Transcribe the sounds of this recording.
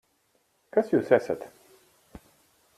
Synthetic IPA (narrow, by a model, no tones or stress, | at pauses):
kasjuːsæsa̰t̪